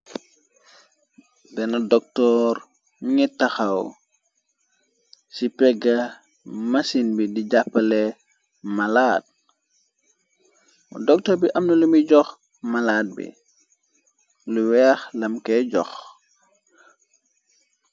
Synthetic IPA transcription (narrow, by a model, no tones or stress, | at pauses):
bɛnɐdɔk̚tɔːɾ | miŋɛtːɐxaw | sipɛɡɐ | mɐsinbidiɟapːɐlɛ | mɐlaːt̚ | dɔk̚tɔɾbiʔɐmnulumiɟɔx | mɐlaːt̚bḭ | luwɛxlɐmkɛɟɔx